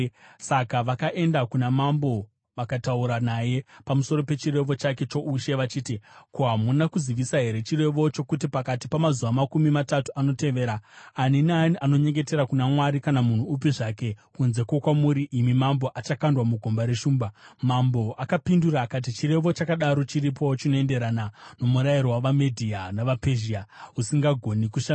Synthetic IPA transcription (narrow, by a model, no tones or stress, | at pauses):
sakaʋakaʔe̞ndakunamambo̞ | ʋakatauɾanaje̞pamusoɾo̞pe̞t͡ʃire̞ʋo̞t͡ʃake̞t͡ʃo̞ʔuʃe̞ʋat͡ʃiːtikoɦamunakuziʋisaɦe̞ɾe̞t͡ʃire̞ʋo̞t͡ʃo̞kut̬ipakatipamazuʋamakumimatatuano̞te̞ʋe̞ːɾaːninaniʔano̞ɲe̞ŋɡe̞te̞ɾakunamwaɾikanamun̤uːpiʐake̞kunze̞kwokwamuɾiʔimimambo̞ʔat͡ʃakandwamuɡʱo̞mbaɾe̞ʃuːmbamambo̞ʔakapinduɾaːkat̬it͡ʃire̞ʋo̞t͡ʃakaɗaɾo̞t͡ʃiɾip̬ʰo̞t͡ʃino̞e̞nde̞ɾanano̞muɾaiɾowaʋamedʱianaʋapeʒiausiŋɡaɡʱo̞nikuʃa